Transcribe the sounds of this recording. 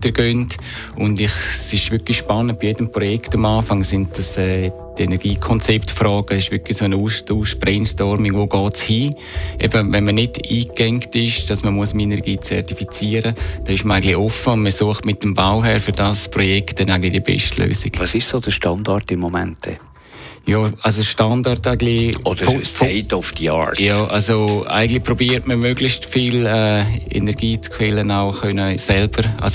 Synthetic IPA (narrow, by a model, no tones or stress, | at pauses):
d̥əɾɡ̥ønt | ʊndɪχsɪʃʋʏklixʃpɑnənt̚b̥ijedəmpɾɔjɛktamaːfaŋsɪnt̚d̥asɛː | denɛɾɡ̥iːkʰɔnt͡sɛptfɾɔːɡ̥əsɪʃʋʏklisoːnuːstuːʃb̥ɾɛnstɔɾmɪŋʋoːɡɔːshiː | ʔɛ̰bəvɛnmənɪdiːkɛŋktɪʃd̥ɑsməmuəsmenɛɾɡiːt͡sɛ̰ɾtifit͡siːəɾəd̥ɛɪʃməɾaɪɡən̩tliɔfəʊndməsuəχtmɪt̚ːəmbaʊɦɛːɾfyɾd̥aspɾojɛkt̚d̥ɛnaɪɡŋ̩n̩tlɪdiəbɛ̰ʃtlø̰ːsɪɡ̥vɑsɪʃsoːd̥əʃtɑndaɾtɪmːomɛ̰ntːɛ̰ | jɔːalsoʃtandaɾtaɪɡn̩lɪod̥əɾeɪtɔfd̥iɑ̰ɹjɔːʔalsoa̰ɪɡən̩dlɪpɾobiːəɾtməmøɡlɪçstfilɛːḛnɛɾɡiːt͡skfɛlənaʊxœnəsɛlb̥əɾʔa̰s